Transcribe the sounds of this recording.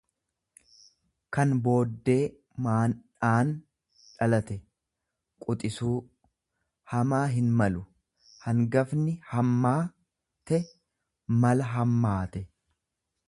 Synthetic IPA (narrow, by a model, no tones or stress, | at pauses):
kɐnbo̞ːd̪ːe̞ː | maːnᶑaːn | ᶑɐlɐt̪ɛ | kʼʊt̪ʼɪsuː | hɐmaːɦɪnmɐlʊ | hɐŋɡɐfnɪhɐmːaː | t̪ɛ | mɐlɐɦɐmːaːt̪ɛ